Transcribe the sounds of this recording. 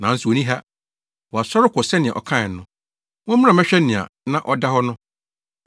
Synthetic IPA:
nã˨n̩˦sʊ˨o˨nĩ˦ɦa˦ | wɔ˨a˨sɔ˦ɾɪ˦kʰʊ˨sɛ˦nɪ̃˨a̰˨ʔɔ̰˨kʰã˦˨nʊ̃˦ | wʊ̃˦m̃˦ã˨mɛ˦ɕᶣɛ˦nɪ̃˨a̰˨nã˦ʔɔ˦da˦hɔ˦nʊ̃˦

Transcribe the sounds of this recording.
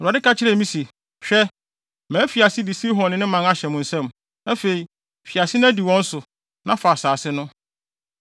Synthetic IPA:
ɾa˨dɪ˦kʰa˦t͡ɕʰɪ˦ɾɛ˦˨mĩ˦si˨ | ɕᶣɛ˦ | mæ̃ː˨˦fi˨a˨sɪ˦dɪ˨si˦ɦɔ̃˨nɪ̃˦nɪ̃˦mã˨na˦ɕɛ˨mʊ̃˨n̩˨sɛ̃˦˨m | nã˦fe˨i˨ | fi˨a˨sɪ˦nã˦di˨wɔ̃˦n̩˦sʊ˨ | nã˦fa˨saː˨sɪ˦nʊ̃˦

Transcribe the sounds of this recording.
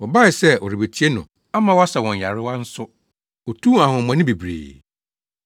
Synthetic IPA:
wɔ˨ba˦ɪ˨sɛ˦ʔɔ˨ɾi˨be˨tʰi˦e˦nʊ̃˨ | a˦mã˦wa˦sa˨wɔ̃˨ɲ˨ja˨ɾɪ˦wa˦n̩˦sʊ˦ | wɔ˨tʰũ˦a˨ɦʊ̃˨mã˨nɪ̃˦bi˨bɾḛː˨

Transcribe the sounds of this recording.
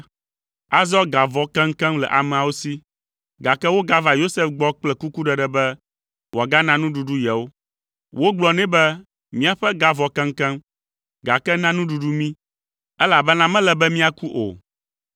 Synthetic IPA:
a˨zɔ˦ɡa˨vɔ˨kɛ̃˦ŋ̩˦kɛ̃˦mlɛ̰˨ʔa˨mɛ̃˨a˨wo˦si˦ | ɡa˨kɛ˦wo˦ɡa˦va˨jo˦se˦fɡ͡bɔ˦k͡plɛ˦ku˦ku˦ɖɛ˨ɖɛ˨bɛ˦ | wo˨a˨ɡa˦nã˦nũ˦ɖu˨ɖu˦jɛ˨wo˦ | wʔo˦ɡ͡blɔ˦nɛ̃˦bɛ˦ | mĩ˦a˨ɸɛ˦ɡa˨vɔ˨kɛ̃˦ŋ̩˦kɛ̃˦m | ɡa˨kɛ˦nã˦nũ˦ɖu˨ɖu˦mĩ˦ | ɛ˦la˨bɛ˦nã˦mɛ̃˦lɛ˨bɛ˦mĩ˦a˨ku˦ʔo̰˨

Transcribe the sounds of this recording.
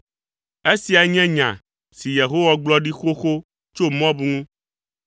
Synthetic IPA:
e˦si˨a˨ɲɛ̃˦ɲã̰˨ | si˨je˨ɦo˦wa˦ɡ͡blɔ˦ɖi˦xo˦xo˦ | t͡ʃo˦mɔ̃˦bu˨ŋũ˦

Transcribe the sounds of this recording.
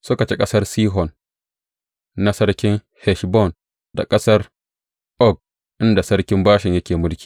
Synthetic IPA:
so˦ka˨t͡ʃe˦kʼɐ˦sɐ˦ɾsiː˦ɦɔ˨n | a˦sɐ˦ɾkʲɪ˦ŋ | hɛ˨ʃbɔ˦˨n | da̰˨kʼɐ˦sɐ˦ɾ | ʔɔ˦˨ɡ̚ | ʔɪ˦nda˨sɐ˦ɾkʲɪ˦mbaː˦ʃɪ˨ɲjɐ˦kʲeː˨mʊ˦lkʲi̥ː˨

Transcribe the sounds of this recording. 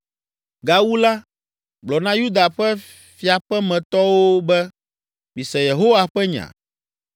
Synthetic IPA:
ɡa˨wu˦la˦ | ɡ͡blɔ˨nã˦ju˦d̪a˨ɸɛ˦ | fi˨a˨ɸɛ˦mɛ̃˨t̪ɔ˦wo˦bɛ˦ | mĩ˨sɛ̃˨je˨ɦo˦wa˨ɸɛ˦ɲã̰˨

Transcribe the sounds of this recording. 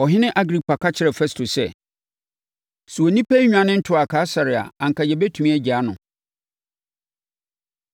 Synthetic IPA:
ɔ˨ɦɪ̃˦nɪ̃˦ʔa˦ɡɾi˦pʰa˨kʰa˦t͡ɕʰɪ˦ɾɛ˨fɛ˦stʰo˨sɛ˨ | su˨o˨nĩ˦pʰæ˦ɲᶣ˨ã˨nɪ̃˦n̩˦tʰʊ˦a˨kʰaː˦sa˨ɾɪ˨a̰˨ã˨ŋ̩˨ka˨jɛ˨bɛ˦tʰũ˨mĩ˦ɛ˦d͡ʑa˨˦nʊ̰̃˨

